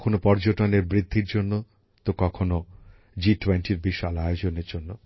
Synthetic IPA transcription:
kʰonopɔɾd͡ʑoʈoneɾbɾid̪ʱːiɾd͡ʑonːo | t̪okɔkʰono | d͡ʑiʈwenʈiɾbiʃalajod͡ʑoneɾd͡ʑonːo

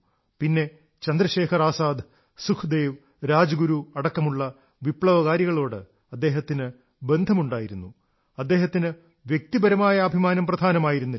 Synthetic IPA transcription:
pinːe̞ | t͡ɕɐnd̪ɾɐɕe̞ːkʰɐraːsaːd̪ | sukʰud̪e̞ːʋ | ɾaːd͡ʑɐɡuɾuɐɽɐkːɐmuɭːɐ | ʋipɭɐʋɐɣaːɾjɐɣɐɭo̞ːɽɨ̰ | ɐd̪ːe̞ːɦɐt̪ːinɨ | be̞nd̪ʱɐmuɳɖaːjiɾunːu | ɐd̪ːe̞ːɦɐt̪ːinɨ | ʋjek̚t̪ibɐɾɐmaːjɐːbʱimaːnɐmprɐd̪ʱaːnɐmaːjiɾunːɐ

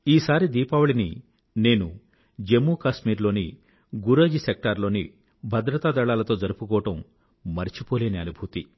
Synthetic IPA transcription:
iːsaːɾid̪iːpaːwɐɭini | ne̞ːnu | d͡ʒemːuːkaːsmiːɾlo̞ːni | ɡuɾɐːd͡ʒisek̚ʈɐɾlo̞ːnḭ | bʱɐd̪ɾɐt̪aːd̪ɐɭaːlɐt̪o̞ːd͡ʒɐɾupukɔːɐʈɐmː | ɐɾit͡ʃipo̞ːleːneɐnubʱut̪i

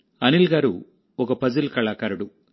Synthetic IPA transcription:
ɐnilɡaːɾṵ | ɔkɐpɐd͡ʒɐlkɐɭaːkɐɾɐɽu

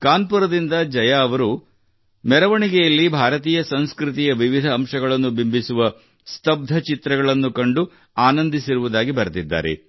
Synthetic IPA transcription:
kaːnpuɾɐd̪ind̪ɐd͡ʒɐjaːʋɐɾu | mɛɾɐʋɐɳiɡɛjɐlːibʱaːɾɐt̪iːjɐsɐnskɾit̪̬ijɐʋiʋid̪ʱɐːmʃɐɡɐɭɐnːubimbʱisuʋɐ | st̪ɐb̚d̪ʱɐt͡ʃit̪ɾɐɡɐɭɐnːukɐɳɖu | aːnɐnd̪isiɾuʋud̪aːɡibɐɾɐt̪id̪ːa̰ːɾḛ

